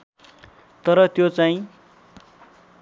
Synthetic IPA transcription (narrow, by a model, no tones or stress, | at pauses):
t̪ʌɾʌt̪jot͡saĩ